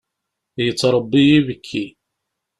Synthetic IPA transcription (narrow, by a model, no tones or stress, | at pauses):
jət͡sːɾˤəbːijivəkʰːi